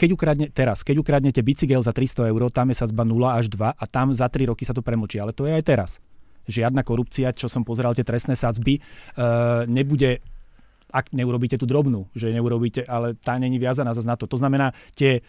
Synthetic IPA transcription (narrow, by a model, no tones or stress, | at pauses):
kɛɟukɾadɲɛt̪ɛɾaskɛɟukɾadɲɛcɛbit͡siɡɛlzat̪ɾist̪ɔɛʊɾɔːt̪amjɛsad͡zbanulaaʒd̪ʋaʔat̪amzat̪ɾiɾɔkisat̪̬ɔpɾɛml̩t͡ʃialɛt̪ɔjɛajt̪ɛɾa̰sʒɪad̪nakɔɾup̚t͡siat͡ʃɔsɔmpɔzɛɾalt̪ɪɛt̪ɾɛstnɛːsad͡zbi | ɲɛbuɟɛ | akɲɛuɾɔbiːcɛt̪uːd̪ɾɔbnuːʒɛɲɛuɾɔbiːcɛʔalɛt̪aːɲɛɲiʋɪazanaːzaznat̪ɔt̪ɔznamɛnaːt̪ɪɛ